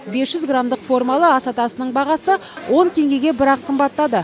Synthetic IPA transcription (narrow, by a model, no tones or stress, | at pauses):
be̞sʒ̥ʏzɡramd̪əqfo̞rmalˠəɑsɑt̪ɑsənəɴbɑʁɑsəwʔo̞nt̪ʰe̞ŋɡʲe̞ɡʲe̞bɪɾɑqʰːəmbɑt̪ːɑd̪ə